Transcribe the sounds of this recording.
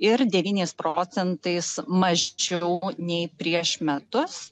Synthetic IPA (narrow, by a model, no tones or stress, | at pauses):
ɪɾd̪ʲɛʋʲiːnʲɛɪspɾoːsʲɛnt̪ɐɪsmɐʒʲt͡ʃʲɛʊnʲɛɪpʲɾʲiɛʃmʲɛt̪ʊs